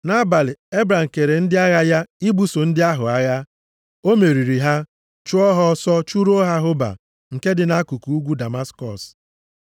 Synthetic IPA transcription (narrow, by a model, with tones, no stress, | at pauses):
na˦ba˨lɪ˨e˦bɾa˨ŋ̩˨ke˨ɾe˨n̩˦dɪ˦a˦ɣa˦ja˦i˦bu˦so˨n̩˦dɪ˦a˦ɦʊ˨a˦ɣa˦ | o˦me˨ɾi˨ɾi˨ɦa˦ | t͡ʃʊ˦ɔ˦ɦɔ˦sɔ˦t͡ʃu˦ɾo˦ɦa˦ɦʊ˦ba̰˨ | ŋ̩˨ke˦dɪ˨na˦ku˨ku˨u˦ɡʷu˦da˨ma˦skɔ˨s